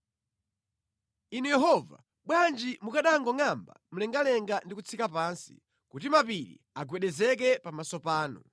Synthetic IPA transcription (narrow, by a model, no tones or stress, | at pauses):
inujɛɦɔva̰ | ɓwand͡ʒimukaɗaŋɡɔŋamba̰m̩lɛŋɡalɛŋɡandikut͡sʰikapansi̥̰ | kutimapiɾḭ | aɡwɛɗɛzɛk̬ɛpamasɔpaːnṵ